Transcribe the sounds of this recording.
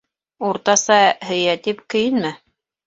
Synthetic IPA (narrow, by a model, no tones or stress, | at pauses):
uɾt̪ɑsɑhɘ̆jæt̪ipkɘ̆jɘnmɘ